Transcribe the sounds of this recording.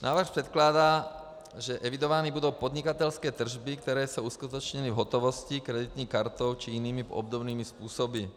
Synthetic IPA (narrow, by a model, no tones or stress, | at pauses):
na̰ːʋr̩xpɾɛt̪klad̪aː | ʒɛʔɛʋid̪ɔʋanibud̪oʊpɔd̪ɲikat̪ɛlskɛːt̪r̩ʒbik̚t̪ɛɾɛːsouskut̪ɔt͡ʃɲɛnivɦɔt̪ɔʋɔscikɾɛd̪it̪ɲiːxkaɾt̪ɔʊt͡ʃiiniːmiɔ̰b̚d̪ɔbniːmispuːsɔbi